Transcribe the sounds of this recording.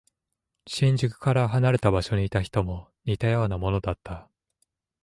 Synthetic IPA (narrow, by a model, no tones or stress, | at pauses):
ɕĩɲ̟d͡ʑɨkɯ̟̥kaɾaɦanaɾe̞t̪abaɕo̞ɲ̟iːt̪açi̥t̪o̞mo̞ | ɲ̟ʲit̪ajo̞ːnamo̞no̞d̪at̪ːa